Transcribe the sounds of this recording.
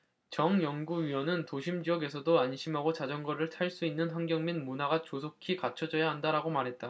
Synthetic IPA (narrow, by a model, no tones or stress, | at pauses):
t͡ɕʌŋjʌŋɡuɥiwʌnɯntoɕʰimd͡ʑiʌɡe̞sʰʌdoanɕʰimɦaɡot͡ɕad͡ʑʌŋɡʌɾɯɭtʰaɭs͈uinːɯnɸaŋɡjʌŋminmunaɡat͡ɕosʰokʰikat͡ɕʰʌd͡ʑʌjaɦandaɾaɡomaɾɦe̞t̚t͈a